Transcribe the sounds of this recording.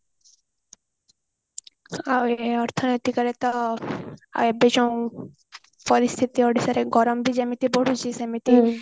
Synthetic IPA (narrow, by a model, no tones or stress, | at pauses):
aweɔɾt̪ʰɔnɔjt̪ikɔɾet̪ɔ | a̰ebed͡ʒɔw̃ | pɔɾist̪ʰit̪ioɖisaɾeɡɔɾɔmbid͡ʒamit̪iboɽut͡ʃisamit̪i